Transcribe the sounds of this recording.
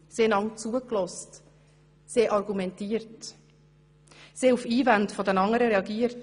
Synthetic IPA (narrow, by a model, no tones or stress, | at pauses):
seːlɑŋt͡suːəklɔst | seːʔɑɾɡumɛntiːəɾt | seːufiːvandfodənɑŋəɾəɾɛɑɡiːəɾt